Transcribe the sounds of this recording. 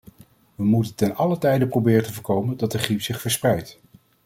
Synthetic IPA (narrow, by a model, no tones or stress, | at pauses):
ʋəmutəntɛnɑlətɛjdəprowbɪːrəntəvəːɹkowməndɑt̚dəχripsɪχfəɹsprɛjt